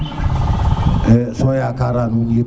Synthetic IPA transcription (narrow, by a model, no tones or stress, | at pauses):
ɛsɔjakaɾanuŋi